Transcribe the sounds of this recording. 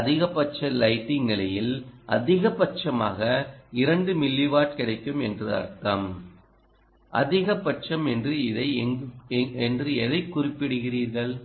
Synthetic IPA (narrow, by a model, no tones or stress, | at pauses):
ɐðɪɣɐpːɐt͡ʃːɐlɐɪʈːɪŋnɪlɐjɪlʔɐ̰ðɪɣɐpːɐt͡ʃɐma̰ːɣɐɪɾɐɳɖɯmɪlːiʋaːʈkɪɽɐɪkːɯmɛndrɯɐ̰ɾk̪ɐm | ʔɐ̰ðɪɣɐpːɐʈt͡ʃɐmɛndrɯɪðɐɪ | ɛndrɯɛðɐɪkːʊrɪpːɪɽɯɣɪriːɾɣɐɭ